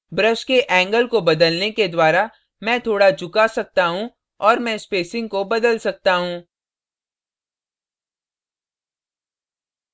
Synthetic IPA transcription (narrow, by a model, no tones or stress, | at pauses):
bɾəʃkeʔɛ̃ːŋɡəlkobɐd̪əlneked̪waːɾa | mɛ̃ːt̪ʰoːɽad͡ʒʊkasɐk̚t̪aɦũ | ɔːɾmɛ̃speːsɪ̃ŋɡ̚kobɐd̪əlsɐk̚t̪aɦũː